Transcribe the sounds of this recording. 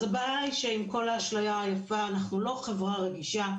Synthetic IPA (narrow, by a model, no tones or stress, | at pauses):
zebaajʃeimko̞laaʃlojaajafaːnaχnulo̞χevʁaʁeɡiʃa